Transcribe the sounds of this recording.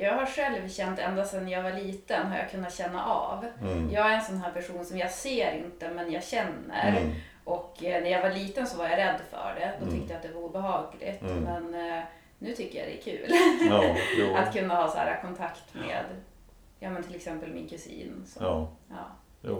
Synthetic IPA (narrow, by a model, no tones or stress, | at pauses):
jɑːɡɦaʂɛlvɕɛnt̪ɛ̰nd̪ast̪ɛnːjɑːɡvaɭiːt̪ənɦaɾja̰kʰɵnːat̪ɕɛnːa̰ʔɑ̰vjɑːɡæɾɛnsɔnɦæːɾpʰæʂuːnsɔmjɑseːɾɪnt̪əmɛnjɑɡɕɛnːə̰ɾ | ʔɔkːnæɾjɑɡvaɭiːt̪ənsɔvaɾjaɾɛd̪ːfœ̰ɖɛd̪ɔt̪ʰʏkt̪əjat̪̚d̪ɛvaɾuːbɛɦɑːɡlɪ̰t̪mɛnː | ʉ̟ːt̪ʰʏkːəja̰d̪ɛ̰æ̰kʰʉ̟̰ːl | at̪kʰɵnːahɑːsæ̰ːɾa̰kʰɔnt̪ʰakt̪mḛːd̪ | jɑːmɛnt̪ʰɪlɛksɛmpəlmɪ̰nkʰɵsḭːnsɔ̰ɑ̰ː